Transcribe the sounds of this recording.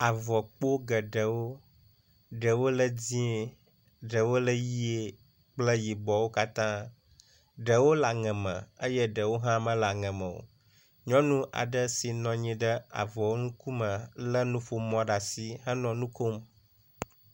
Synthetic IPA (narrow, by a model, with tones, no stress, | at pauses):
a˨vɔ˨k͡po˦ɡə˨ɖə˨wo˦ | ɖə˨wo˦lə˦d͡ʑĩ˦e˨ | ɖə˨wo˦lə˦ji˦e˨ | k͡plə˦ji˨bɔ˨wo˦ka˦t̪ã˦ | ɖə˨wo˦la˨ŋɛ̃˨mə̰̃˨ə˦jə˦ɖə˨wo˦ɦã˦mə̃˦la˨ŋɛ̃˨mə̰̃˨wo̰˨ | ɲɔ̃˦nũ˦ʔa̰˨ɖə˦si˨nɔ̃˨ɲĩ˦ɖə˦a̰˨vɔ˨wo˦ŋũ˦ku˦mə̃˨lə˦nũ˦ɸo˨mɔ̃˦ɖa˨si˨ɦə˦nɔ̃˨nũ˦ko˦m